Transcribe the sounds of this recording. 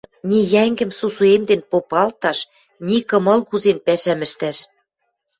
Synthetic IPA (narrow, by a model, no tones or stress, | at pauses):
nʲijæŋɡɘ̆msusuemd̪enpopɑlt̪ɑʃ | nikɤ̆mɤ̆lkuzenpæʃæmɘ̆ʃt̪æʃ